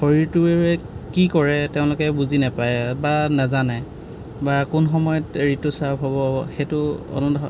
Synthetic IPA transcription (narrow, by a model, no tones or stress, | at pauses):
xoɹiɹtʊɛkikɔɹɛteʊ̃lʊkɛbuzinapajɛbanazanɛ | bakʊnxɔmɔjɔtɹitusabʱɦɔbɔxetʊɔ̰nɔnɔ